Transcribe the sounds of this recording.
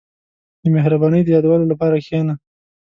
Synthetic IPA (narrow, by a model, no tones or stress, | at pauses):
d̪əmeɦɾabɑnəjd̪əjɑd̪awɑlolapɑɾaxena